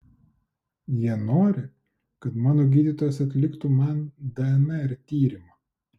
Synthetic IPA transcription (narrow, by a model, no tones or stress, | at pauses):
jiɛnoːɾʲɪ | kɐt̪mɑːnoːɡʲiːd̪ʲiːˑt̪oːjosɐt̪ʲlʲɪkt̪uːmɐnd̪ɛɛnɐɪɾt̪ʲiːɾʲɪmɐː